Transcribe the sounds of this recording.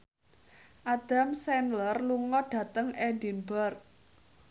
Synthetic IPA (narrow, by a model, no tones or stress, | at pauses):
ʔad̥a̤msɛnlərluŋɔɖ̥ä̤t̪əŋɛdi̤nbərk̚